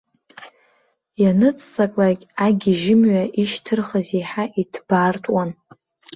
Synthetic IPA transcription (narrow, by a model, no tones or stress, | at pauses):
janɨt͡sʰʼsakʼlakʲʼaɡʲiʒɪmɥaʔiʃtʰɨrχazejħaʔitʰb̥artʼwan